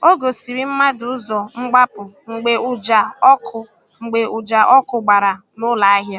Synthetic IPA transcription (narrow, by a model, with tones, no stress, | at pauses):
o˦ɡo˨si˨ɾi˦m̩˦ma˦dʊ˨ʊ˦zɔ˨ŋ͡m̩˦ɡ͡ba˦pʊ˨ŋ͡m̩˨ɡ͡be˨ʊ˨d͡ʒa˨ɔ˦kʰʊ˨ | ŋ͡m̩˨ɡ͡be˨ʔʊ˨d͡ʒa˨ʔɔ˦kʊ˨ɡ͡ba˨ɾa˨ | nʊ˦la˨a˦ɦja˦